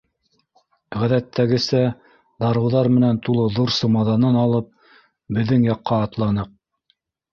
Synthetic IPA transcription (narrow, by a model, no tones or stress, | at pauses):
ʁæðæt̪ʰːæɡɘ̆sæ | d̪ɑɾɤ̆wðɑɾmɘ̆nænt̪ulˠɤðuɾsɤmɑðɑnɤnɑlˠɤp̚ | bɘ̆ðːɘŋjɑqːɑːt̪lˠɑnɤq̚